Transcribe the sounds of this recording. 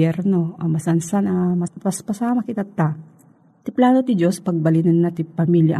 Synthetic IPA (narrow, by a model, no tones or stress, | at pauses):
ɛɾno̞ʔɐmɐsɐnsanɐmɐpɐspɐsaːmɐkɪt̪ɐt̪ːa | t̪ɪplaːnot̪ɪd͡ʒospɐɡ̚bɐlɪnɐnːɐt̪ɪpɐmiljɐ̰ʔ